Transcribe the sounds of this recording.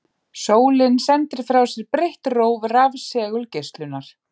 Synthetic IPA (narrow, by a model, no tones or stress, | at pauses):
soːwlɪnsɛnt̪ɪɾ̥fɾawsɛɾpɾeht̪roːwvravsɛːɣʏlcest̪lʏnːaɾ̥